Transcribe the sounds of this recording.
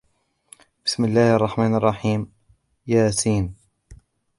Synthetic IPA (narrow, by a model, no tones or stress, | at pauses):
b̥ɪsmɪlːaːhʔɑrˤːɑħmaːnɑrˤːɑħiːm | jaːsiːn